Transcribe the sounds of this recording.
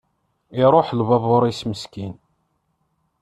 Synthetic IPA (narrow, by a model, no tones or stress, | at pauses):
iɾˤoħlvɑðˤoɾˤisməskin